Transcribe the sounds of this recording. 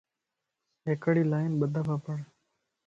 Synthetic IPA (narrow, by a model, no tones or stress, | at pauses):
ɦeːkəɽiːlaːɪnɓəd̪ʱaːpʰaːpəɳ